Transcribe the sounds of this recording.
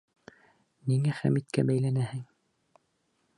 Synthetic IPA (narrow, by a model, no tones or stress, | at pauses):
niŋæχæ̰mit̪kæbæjlænæhɘŋ